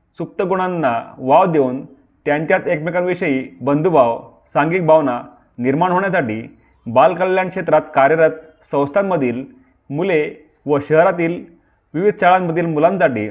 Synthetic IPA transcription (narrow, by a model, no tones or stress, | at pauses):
suk̚t̪əɡuɽ̃anːaʋaʋd̪ewn | t̪jãɲt͡ɕjat̪ekmikanʋiɕəjiːbənd̪ʱubʱaʋ | sãŋɡiːk̚bʱaʋna | niɾmaɳɦoɳjasaʈḭː | balkəlːjãnkʂet̪ɾat̪kaɾjəɾat̪̚ | sə̃w̃st̪ʰammːəd̪ʱiːl | mule | ʋəɕəɦɾat̪̬iːl | ʋiʋid̪ʱt͡ɕaɭamməd̪ʱiːlmulãnd͡zaʈḭː